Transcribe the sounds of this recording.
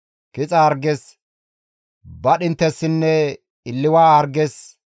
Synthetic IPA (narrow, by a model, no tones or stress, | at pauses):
kɪt͡sʼɐːɾɡɛs | bɐɗɪnt̪ːɛsːɪnːɛ | ɪlːɪwaːɐɾɡɛs